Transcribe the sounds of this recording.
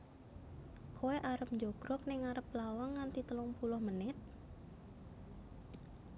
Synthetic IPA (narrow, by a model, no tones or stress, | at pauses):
kʰoweʔaɾəp̚ɲd͡ʒoɡ̥ɾɔk̚nɪŋaɾəp̚lawaŋːant̪it̪əlɔŋpulʊhmənɪt̪̚